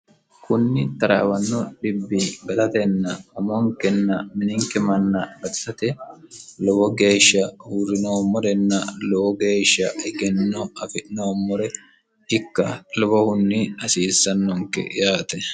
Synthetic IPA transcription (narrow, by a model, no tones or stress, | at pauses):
kʰʊnːɪt̪ɐɾɐ̰wɐnːɔɗɪbːɪɡɐlɐt̪ɛnːɐɔmɔŋkɛnːɐmɪnɪŋkɛmɐnːɐbɐsɐt̪ɛlɔwɔɡe̞ːʃːɐhurːɪnoːmːɔɾɛnːɐlɔwɔɡe̞ːʃːɐɪɡɛnːɔɐfɪnoːmːɔɾɛ | ɪkːɐlɔbɔhʊnːɪɐsiːsːɐnːɔŋkɛ̰jaːt̪ɛ